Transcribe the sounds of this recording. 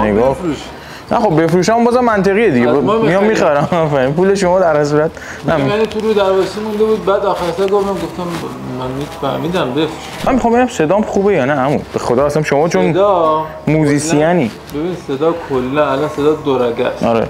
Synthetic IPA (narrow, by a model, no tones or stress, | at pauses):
neɡɔːfɾuʃ | næ̰χobbe̞fɾuːʃæmmbɒːzæmːænt̪ʰeɣijed̪iɡemijɒmːiχæɾæmæfæɾipuːleʃomɒːd̪æɾhæs̬uɾæt̪ | æmænit̪ʰuɾud̪æɾbɒsimũnd̪ebuːd̪̚bæːd̪ɒːxæɾsæɡoft̪æmɡoft̪æmː | ænmifæhmiːd̪æmbefɾuʃæmænmːexɒmbeɟæmse̞d̪ɒːmχuːbejɒːnææmṵbexod̪ɒːæsænʃomɒːt͡ʃʰond̪ | muːziːsijæni | bebinised̪ɒːkʰolːænælɒnsed̪ɒːd̪oɾæɡæ̰sɒ̰ɾḛ